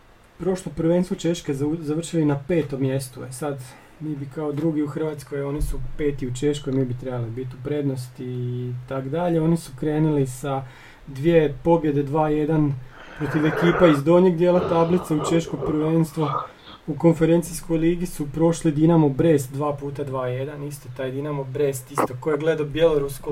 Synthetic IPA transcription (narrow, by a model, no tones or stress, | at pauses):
pɾo̞ʃlopɾ̩ʋenst̪ʋot͡ʃe̞ʃkezaʋr̩ʃilinape̞ːt̪o̞mje̞st̪uesad̪ | miːbikaod̪ɾuɡiuxr̩ʋat̪sko̞jo̞ːnisupe̞ːt̪iut͡ʃe̞ʃko̞jmiːbit̪ɾe̞balibit̪upɾe̞d̪no̞st̪iːt̪akod̪aʎe̞o̞nisukɾe̞ːnulisa | d̪ʋiepo̞bje̞d̪e̞d̪ʋaːje̞d̪an | pɾo̞t̪iʋekiːpaizd̪o̞ɲeɡd̪jeːlat̪ablit̪seut͡ʃe̞ʃko̞pɾʋenst̪ʋo | uko̞nfe̞ɾent̪sisko̞jliːɡisupɾo̞ʃlid̪inamobɾe̞ːst̪̚d̪ʋaːpuːt̪ad̪ʋaːjed̪anist̪ot̪aːjd̪inamobɾest̪ist̪okojeɡle̞d̪abjeloɾusko